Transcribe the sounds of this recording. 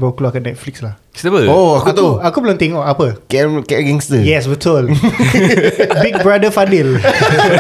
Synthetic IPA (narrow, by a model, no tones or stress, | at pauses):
bawkloakat̚nɛt̚flikslah | səbəoakut̪oakuplɔ̃ŋt̪ɛŋɔʔapəkɛkɛɡɛ̃ŋstəjɛswitʰol | bik̚bɹadəfadil